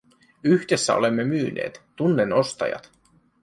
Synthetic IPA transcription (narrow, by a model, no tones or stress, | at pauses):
yçd̥e̞sːæo̞̰le̞mːe̞myːnʔeːt̪ːunːe̞no̞st̪ɑ̰jɑ̰t̪